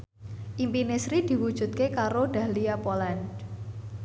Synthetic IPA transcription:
ʔimpinesɾid̪̥i̤wud̥ʒ̥ṳt̪̚kekaɾoɖ̥a̤liapoland

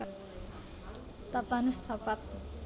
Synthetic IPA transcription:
t̪ʌpanust̪ʰʌpat̪̚

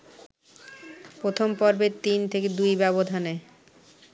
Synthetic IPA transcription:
pɾot̪ʰompɔɾbeɾt̪int̪ʰeked̪ujbɛβod̪ʱane

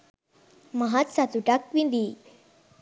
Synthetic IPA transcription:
maɦat̪sat̪uʈakʋind̪i

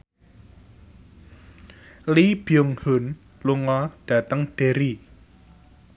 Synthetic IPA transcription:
lib̥iʊŋhʊn | luŋɔɖ̥ä̤t̪əŋɖ̥eɾi

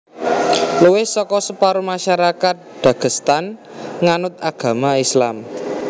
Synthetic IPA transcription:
luwɪhsɔkɔsəpaɾumaʃaɾakat̪̚d̪̥a̤ɡ̥əst̪anŋanʊt̪̚aɡ̥a̤maislam

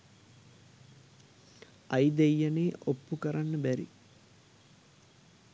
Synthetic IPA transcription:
ɐjd̪ejːəneːʔopːukəɾanːəbæɾḭ

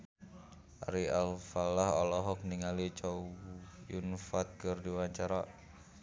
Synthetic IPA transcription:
ʔa̰ɾialfalahɔlɔɦɔk̚niŋalit͡ʃɔujunfat̪̚kɨrdiwaɲt͡ʃaɾa

